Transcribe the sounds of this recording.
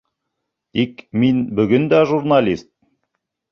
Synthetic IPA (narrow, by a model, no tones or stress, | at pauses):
t̪ikminbɵ̆ɡɵnd̪æʒurnalʲist̪̚